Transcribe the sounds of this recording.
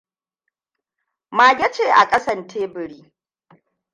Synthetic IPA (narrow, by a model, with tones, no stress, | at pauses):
maː˨ɡʲɐ˦t͡ʃeː˨ʔa˨kʼɐ˦sɐ˨ntʰeː˦bɪ˨ɾiː˦